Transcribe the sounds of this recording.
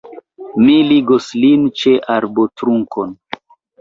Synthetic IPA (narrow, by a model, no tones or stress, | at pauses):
miliɡoslint͡ʃe̞ʔaɾbotɾuŋkʰon